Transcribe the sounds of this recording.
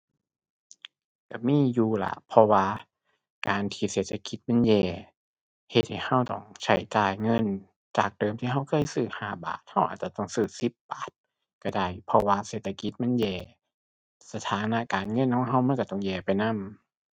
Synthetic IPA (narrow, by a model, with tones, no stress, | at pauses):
ka˧˩miː˧˥˨juː˧˩la̰˧˦pʰɔ˧waː˧ | kaː˨nt̪ʰiː˧˩seː˧˩˦t̪ʰːa˧ki˧˥t̪̚ma˧˥˨njɛː˧˩ | he˧t̪̚ha˨˩jha˧˥˨wt̪ɔ̰˧˩ŋt͡ɕʰa˧˩jt͡ɕaː˨˩jŋɤ˧˥˨n | t͡ɕaː˨˩k̚d̥ɤː˨mt̪ʰi˧˨ɦa˧˥˩wkʰɤː˧˨jsɯː˧˩haː˧˩ba̰ː˨˩t̪̚ha˧˩wʔa̰ː˨t̪̚t͡ɕa˧˩t̪ɔ˧˩ŋsɯː˧˩si˧˦p̚baː˨˩t̪̚ | ka˧˩da˧˩jpʰɔ˧waː˧seː˨˩t̪̚ʰːa˧ki˧˦t̪̚ma˧˥˨njɛː˧˩ | sa˧t̪ʰaː˨˦na˧˨kaː˨nŋɤ˧˥˨nkʰɔː˧˥˦ŋɦa˧˨wma˧˥˨nka˧˩ɔ˧˩ŋjɛː˧˩pa˨jna˧˥˨m